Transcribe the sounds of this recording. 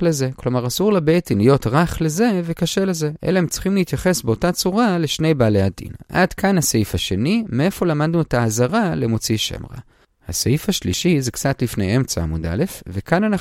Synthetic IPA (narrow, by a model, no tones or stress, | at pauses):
leze̞klo̞maʁasuʁlabetinijo̞tʁaχle̞ze̞vekaʃele̞ze̞ʔḛlahemt͡si̥χimlehit̪jaχe̞sbeo̞tat͡suʁaleʃne̞jbaːlejadḭnʔa̰dkanhaseifaʃe̞nime̞e̞fo̞lamadnuetaːzaʁalemot͡siʃḛmʁa̰ | haseifaʃliʃizekt͡satlifnejemt͡saa̰muda̰le̞fvekanana